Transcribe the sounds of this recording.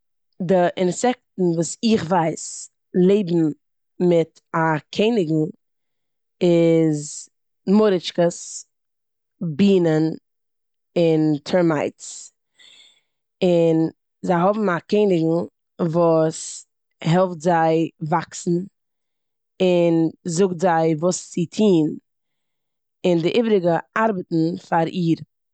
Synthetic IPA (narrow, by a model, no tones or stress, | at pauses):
dɪʔɪnsɛk̚tn̩vuːsɪχvaɪs | lˠeɪbm̩ | mɪt | akʰeɪnɪɡŋ̩ | ɪz | mʊɾɪt͡ʃkəs | biːnən | ɪntʰɛɾmaɪts | ɪn | zaɪɦɔbm̩akɪɪnɪɡŋ̩ | vuːs | hɛlˠftzaɪvaksn̩ | ɪnzʊk̚tzaɪvuːst͡sɪtʰiːn | ɪndɪʔibɾɪɡəaɾbətn̩faɾiːɾ